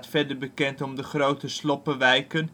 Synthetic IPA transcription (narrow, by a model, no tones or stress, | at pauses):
tfɛɹdəɹbəkɛntɔmdəχrowtəslɔpəʋɛjkən